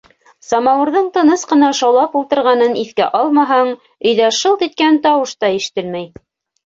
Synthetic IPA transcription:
sɑmɑwɤ̆ɾðɤɴt̪ɤ̆nɤsqɤ̆nɑʃɑwlˠɑpulˠt̪ɤ̆ɾʁɑnɤniθkæʔɑlˠmɑɦɑɴ | ɵ̆jðæʃɤlˠk̪it̪̚kænt̪ɑwɤʃt̪ɑiʃɘ̥̆t̪ɘlmæj

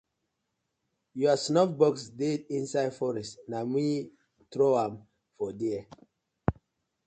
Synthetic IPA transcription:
juasnɔkbɔksdedĩnsaɪdfɔɹɛstnami | tɹoãm | fɔdiɛ

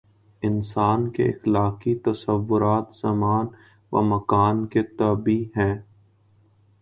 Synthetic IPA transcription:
ɪnsaːnkḛɪ̰xlaːqit̪ɐsəʋːʊɾaːt̪z̥ɐmaːn | ʋa̰mɐkaːnket̪ɐːbiɦɛ̃ː

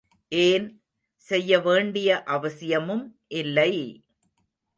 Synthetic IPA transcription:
ʔeːn | sɛjːɐʋeːɳɖɪjɐʔɐʋɐsɪjɐmɯmʔɪlːɐɪ

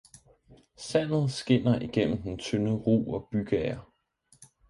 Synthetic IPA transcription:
sæn̰ð̩ˠsɡ̥e̝n̰ɐʔiɡ̥en̰m̩d̥ent͡sʰønəʁṵːɒ̽b̥yɡ̥ɛɐ

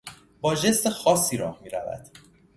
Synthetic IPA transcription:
bɒːʒest̪exɒːsːiːɾɒ̰ːhmiːɾæ̰væ̰d̪̥

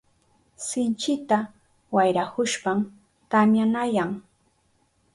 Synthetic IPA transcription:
sɪnt͡ʃɪt̪a | wajɾakʊʃpam | kamjanajaŋ

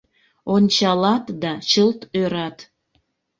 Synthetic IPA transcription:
onʲt͡ɕɑlɑt̪d̪ɑt͡ɕəlt̪øɾɑt̪

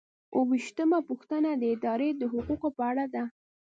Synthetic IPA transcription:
wʔəwiʃt̪əmapuxt̪ənad̪əɪd̪ɑɾed̪əɦʊquqopəaɽad̪a

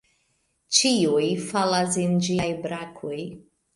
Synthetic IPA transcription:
t͡ʃiujfalas̬end͡ʒiajbɾakʰoj

